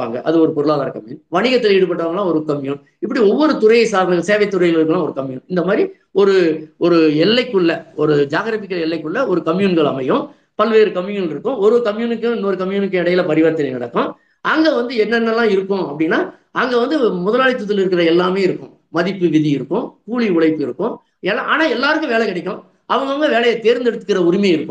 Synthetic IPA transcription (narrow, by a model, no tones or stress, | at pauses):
a̰ːŋɡɐ̰ʔɐ̰ðɯɔɾɯpɔɾɯɭaːðaːɾɐkɐmjuːnʋɐɳɪɣɐt̪ːɪlɛɽɯpɐʈːɯʋaːŋɐlãːɔɾɯkɐmjuːn | ɪp̬ːɐɽiɔʋːɔɾɯt̪ʊɾɐjɐsaːɾɐnɐŋɡɐɭseːʋɐɪt̪ːʊɾɐjɪlɪɾɯkːɐlãːɔɾɯkɐmjṵːnɪnd̪ɐmaːd̪ɾi | ɔɾɯɔɾɯɛlːɐɪkːɯɭːɐɔɾɯd͡ʒaːɣɾɐːfɪkːɐɭɛlːɐɪkːɯɭːɐɔɾɯkɐmjuːnɡɐɭɐ̰mɐjʊ̃ | pɐlʋeːɾɯkɐmjunnlɪɾɯkːʊ̃ɔɾɯkɐmjuːnɯkːɯɪnːoːɾɯkɐmjuːnɯkːɯɛɽɐjɪlɐpɐɾɪʋɐːɾɐt̪ːɪlɐnɪɽɐkːʊ̃ | ʔɐŋɡeʋɐnd̪ɯɛnːɐnːɐlːãːɪɾɯkːʊ̃ɐpːɐɽɪnːaː | ɐŋɡeːʋɐnd̪ɯmʊðɐlaːɭɪt̪ːɯt̪ːɪlɪɾɯkːɪɾɐɛlːaːmeːɪɾɯkːʊ̰̃ | mɐðɪpːɯʋɪðiɪɾɯkːʊ̃kuːɭiʊɭɐɪpːɯɪɾɯkːʊ̃ | ɛlːaʔa̰ːnaːɛlːaːɾɯkːʊ̃ʋeːɭɛkɪɽɐɪkːʊ̃ | ʔɐʋɐŋɡɐʋɐŋɡɐʋeːɭɐjɐt̪eːɾnd̪ɛɽɯt̪ːɯkːɪɾɐʊɾɪmɐjɪɾɯkːʊ̃